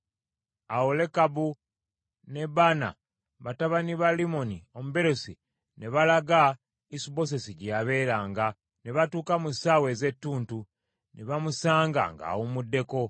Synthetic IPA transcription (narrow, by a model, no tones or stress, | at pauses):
awole̞kabu | ne̞bana̰ | βataβaniβalimo̞nio̞muβe̞ɾosi | ne̞βalaɡa | isubo̞s̬esiɟijaβe̞ːɾaːŋɡa | neβatuːkamusaːwe̞ze̞tːuːntu | neβamusaːŋɡa̰ŋɡa̰ːwomudːe̞ko̞